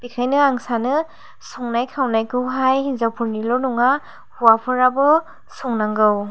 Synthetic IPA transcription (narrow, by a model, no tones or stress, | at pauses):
bikʰajnɯaŋsanɯ | sɔŋnajkʰawnajkʰɯwɦajɦizawpʰuɾnilɔnɔŋa | huwapʰɯɾabɯ | sɔŋnaŋɡɯw